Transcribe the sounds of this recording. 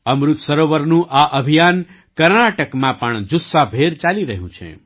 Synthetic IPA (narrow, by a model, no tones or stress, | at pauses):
əmɾʊt̪səɾoʋəɾnũʔaʔəbʱijan | kəɾnaʈəkmãpəɳd͡ʒusːabʱeɾt͡ʃaliɾəɦjṵ̃t͡ʃʰḛ